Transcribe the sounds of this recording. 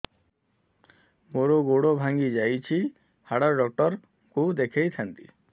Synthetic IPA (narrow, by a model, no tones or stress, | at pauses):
moɾoɡoɽobʱaŋɡid͡ʒajt͡ʃʰi | haɽɔɾɖɔk̚ʈɔɾ | kud̪ekʰejt̪ʰant̪i